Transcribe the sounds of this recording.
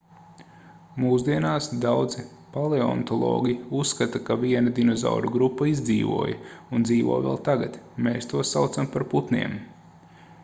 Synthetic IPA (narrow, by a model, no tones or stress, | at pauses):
muːzd̪iɛnaːsd̪awd̪zi | palˠeɔ̰nt̪ɔlˠɔ̰ːɡʲiusːkat̪akavʲiɛnɐd̪inɔza̰wɾuɡɾupːɐizd̪ziːʋṵɔːjɐ̰und̪ziːʋṵːvʋɛ̰lˠt̪aɡa̰t̪meːst̪uɔsawt̪sampaɾput̪nḭɛm